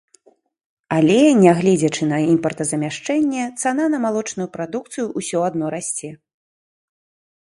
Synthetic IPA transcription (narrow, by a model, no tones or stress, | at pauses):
alʲɛnʲɛɣlʲɛd͡zʲɐt͡ʂɨnɐimpɐrt̪ɐzɐmʲaʂt͡ʂɛnʲːɛt̪sananɐmalˠɔt͡ʂnujupɾad̪uk̚t̪sɨjuʔːsʲɔad̪̚nɔɾasʲt͡sʲɛ